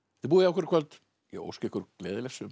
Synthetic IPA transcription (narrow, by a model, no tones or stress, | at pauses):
θɪp̬uːðɪawkʏɾkʰvœlt̪ | jɛ̰o̰wscɪhkʏɾkleːðɪlɛxsʏm